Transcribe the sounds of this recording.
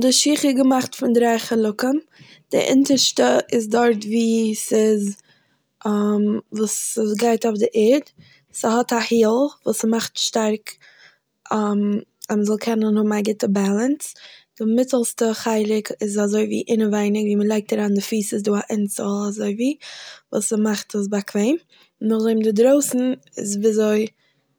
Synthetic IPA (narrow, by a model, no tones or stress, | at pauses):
dɪʃiːχəɡəmaχtfɪndɾaɪχəlˠʊkəm | d̥ɪ̰ʔɪ̰ntəʃtəɪzdɔɾtviːsɪz | ʔamvuːsəsɡaɪtɔfdɪʔɛd | səɦɔtahiːlˠvuːsmaχtʃtaɾk | am | aməzɔlˠkʰɛnənhʊbm̩aɡɪtəbalˠənsd̥ɪmɪt͡səlˠstəχaɪlɪkɪzazoɪvḭːʔɪnəvaɪnɪkviːməlˠaɪk̚taɾaːndɪfiːsɪs̬duːaʔɪnt͡səlˠazoɪviːvṵːsəmaχtʰəs̬bakʰveɪm | nʊχzoɪmdɪdɾoʊsn̩ɪ̰zviːzoɪ